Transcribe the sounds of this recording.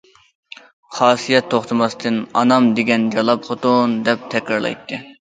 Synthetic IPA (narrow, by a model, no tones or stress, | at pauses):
χɑːsijɛt̪ʰːoχt̪ʰɨmɑst̪ʰɨnɑ̰nɑmd̪eɡʲɛnd͡ʒɑlˠɑpχot̪und̪ɛp̚t̪ʰɛkʲɾɑɾlˠɑ̰jt̪ːɨ